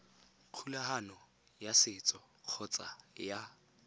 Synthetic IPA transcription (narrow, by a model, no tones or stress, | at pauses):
q͡χʰulaɦanɔ | jasɪt͡sʼɔ | q͡χʰɔt͡sʼaja